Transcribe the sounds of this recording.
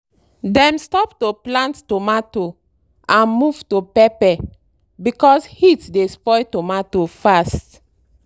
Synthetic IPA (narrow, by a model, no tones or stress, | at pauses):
dɛ̃mstɔp̚toplãntːtomato | ãnmuv̥topɛpɛ | bikɔshitdespɔjtomatofast